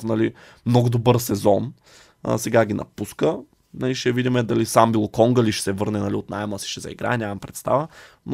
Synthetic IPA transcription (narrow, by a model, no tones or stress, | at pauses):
fnɐli | mnɔɡʊd̪obɤɾsɛzɔn̰ | sɛɡaɡinʔɐ̰puskə | nɐliʃɛvid̪ʲimɛd̪ɐlisambilˠokɔŋɡəliʃɛ̥sɛvɤɾnɛnɐliot̪najməsi̥ʃɛzɐ̰ḭɡɾa̰ɛnʲɲʲamɐmpɾɛt̪st̪a̰vəno